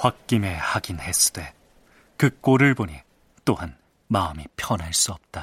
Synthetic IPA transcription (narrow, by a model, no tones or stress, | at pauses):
ɸwak̚k͈ime̞haɡinhe̞s͈ʰɯ̥de̞ | kɯk͈oɾɯɭbonɲi | t͈ohan | maɯmipʰjʌnaɭs͈uʌp̚t͈a